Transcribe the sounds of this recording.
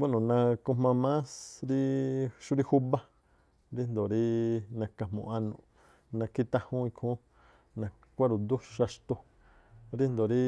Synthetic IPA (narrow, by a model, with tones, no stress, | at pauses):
ɡa˦nũ˨nã˧ku˧mã˧mã˦sɾi˦ʃu˦ɾi˦hu˦βa˦ | ɾi˦nd̪o˨ɾi˦nã˧ka˨mõ̰˨a˧nũ˨ | nã˧ki˦t̪ã˦˧hũ˦˧ĩ˧kʰũ˦ | nã˧ | kʷa˦ɾu˨nd̪u˦ʃa˧ʂt̪o˧ | ɾi˦nd̪o˨ɾi˦